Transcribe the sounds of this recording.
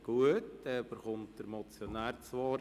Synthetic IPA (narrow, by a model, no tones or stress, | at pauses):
ɡ̥uətɛb̥əɾχʊmt̚d̥əɾmɔt͡sjonæːɾt͡sʋɑːɾ